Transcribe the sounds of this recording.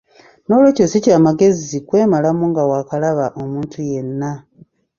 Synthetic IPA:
no̞lwe̞ːcosicaːmaɡe̞zikwe̞ːmalamuŋɡawaːkalaβaʔo̞muːntʰuje̞nːa

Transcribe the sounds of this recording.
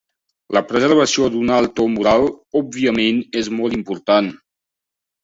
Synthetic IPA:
ləpɾəzərβ̞əsiod̪unalˠt̪omuɾalˠɔb̚βiəmenezmɔlˠt̪impuɾt̪an

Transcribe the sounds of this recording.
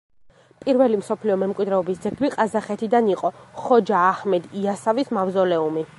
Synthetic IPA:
pʼiɾvɛlimsɔpʰliɔmɛmkʼwid̪ɾɛɔbisd̪zɛɡliqʼazaχɛt̪ʰid̪aniqʼɔχɔd͡ʒaːhmɛd̪iasavismavzɔlɛumi

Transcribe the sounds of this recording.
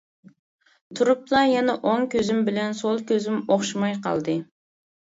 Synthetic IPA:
t̪ʰuɾuplˠɑjɛnɛʔoŋkʲøzɪmbɪlɛnsolˠkʲøzɪmoχʃimɑjqɑ̰lˠd̪ɨ

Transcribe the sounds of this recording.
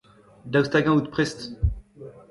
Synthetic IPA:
d̪awst̪aɡãut̪pχɛst̪

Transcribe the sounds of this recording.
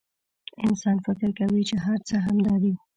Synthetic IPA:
ɪnsɑnfɪkɾkawit͡ʃeɦaɾt͡səɦamd̪ɑd̪i

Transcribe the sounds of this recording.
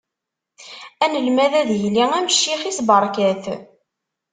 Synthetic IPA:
ænəlmæðæðjliŋæməʃːiχisbəɾˤkæθ

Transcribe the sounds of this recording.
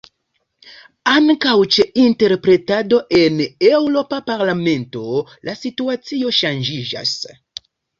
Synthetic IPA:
aŋkawt͡ʃeinte̞ɾpɾe̞tado̞ʔe̞newɾo̞papaɾlame̞nto̞lasituat͡sioʃand͡ʒid͡ʒa̰s

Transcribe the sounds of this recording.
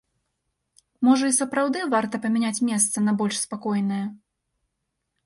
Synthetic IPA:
mɔʐɐisɐpɾawd̪ɨvart̪ɐpɐmʲɛnʲat͡sʲmʲɛst̪sɐnɐbɔlʲʂspakɔjnɐjɛ

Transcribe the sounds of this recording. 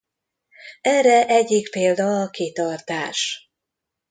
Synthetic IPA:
ɛrɛʔɛɟːikpeːld̪ɒːkit̪ɒrt̪aːʃ

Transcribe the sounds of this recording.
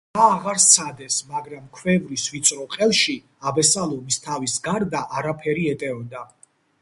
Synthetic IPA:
aːʁaɾssʰad̪ɛsmaɡɾamkʰwɛvɾisvit̪sʼɾɔqʼɛlˠʃi | abɛsalˠɔmist̪ʰavisɡaɾd̪aʔaɾapʰɛɾiɛt̪ʼɛɔd̪a

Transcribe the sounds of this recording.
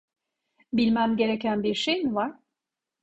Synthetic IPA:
bilʲmæmɟe̞ɾe̞cʰænbiɾʃejmivaɾ̥

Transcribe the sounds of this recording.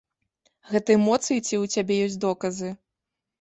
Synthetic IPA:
ɣɛt̪ɐɛmɔt̪sɨjit͡sʲiwt͡sʲabʲɛjɔsʲd̪ɔkɐzɨ

